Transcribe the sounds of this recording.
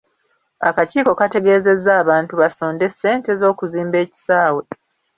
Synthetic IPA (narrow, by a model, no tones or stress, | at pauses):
a̰kaciːko̞kate̞ɡe̞ːze̞zːaːβaːntuβaso̞ːnde̞sːe̞ːnte̞zo̞ːkuziːmbe̞ːci̥saːwe̞